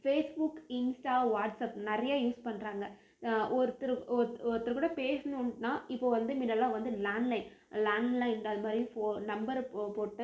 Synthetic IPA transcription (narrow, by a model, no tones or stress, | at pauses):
feːsbʊkːɪnsʈaːʋaːʈsɐpnɛɾɐjaːjuːspɐɳːɾaːŋɡɐ | ɔɾɯt̪ːɯɾɔɾɔɾɯt̪ːɯɾkːuːɽɐpeːsɐnʊ̃nnaːɪpːoːʋɐnd̪ɯmɪnːɐlːãːʋɐnd̪ɯlaːnlɐɪn | laːnlɐɪnɐðɯmaːd̪ɾipoːnɐmbɐɾpoːʈːɯ